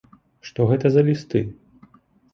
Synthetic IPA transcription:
ʂt̪ɔɣɛt̪ɐzɐlʲist̪ɨ

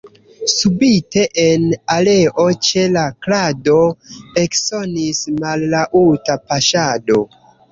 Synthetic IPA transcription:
subite̞ʔenale̞ʔo̞t͡ʃe̞laklado̞ekso̞nismalːaʔutapaʃado̞

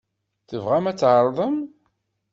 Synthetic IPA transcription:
θəvʁæmæt͡sːʕəɾˤðˤəm

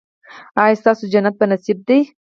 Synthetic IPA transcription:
ɑjst̪ɑsod͡ʒanat̪̚pənasib̚d̪ej

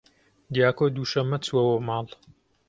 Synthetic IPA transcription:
d̪ijaːkoːd̪uːʃɐmːɐt͡swɐwomaːl

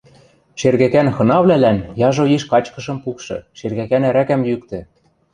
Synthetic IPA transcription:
ʃerɣækænxɤ̆nɑβlælænjɑʒoiʃkɑt͡ɕkɤ̆ʃɤ̆mpukʃɤ̰̆ʃerɣækænæɾækæmjykt̪ɘ̆

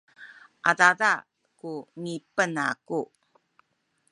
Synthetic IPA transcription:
ʔadada | kunipəna̰ku

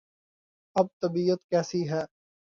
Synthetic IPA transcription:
ɐb̚t̪ɐbiːət̪kɛːsiːɦɛː

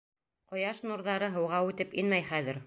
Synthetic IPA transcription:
qŏjɑʃnuɾðɑɾɤɦɤ̆wʁɑʉt̪ɘpinmæjχæðɘɾ

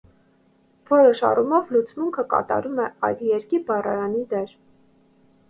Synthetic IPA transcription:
v̥ɔɾɔʃɑ̰rumɔvlut͡smuŋkʰəkɑ̰t̪ɑ̰ɾumɛɑ̰jd̪jɛɾkibɑrɑɾɑnid̪ɛɾ

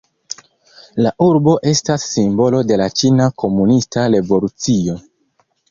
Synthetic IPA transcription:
laʔuɾbo̞ʔe̞stasːimbo̞lo̞de̞lat͡ʃinakʰo̞munistaɾe̞bo̞lut͡sio̞

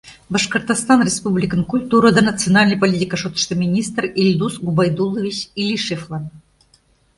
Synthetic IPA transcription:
bəʂkərt̪ɑst̪ɑnrʲespublʲikənkulʲt̪uɾəd̪ənɐt̪t͡sɨonɑlʲnəjpolʲit̪ʲikəʂot̪ə̥ʃt̪əmʲinʲist̪rilʲd̪usɡubɑjd̪ulˠovʲit͡ɕilʲiʃeflˠɑn

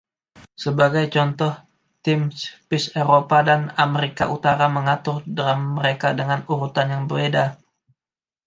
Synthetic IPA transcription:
səbaɡajt͡ʃɔnt̪ɔh | t̪ɪmspɪseɾopadanameɾika̰ʔut̪aɾaməŋat̪ʊrdəɾamːəɾekadəŋanuɾut̪anjaŋbərbeda

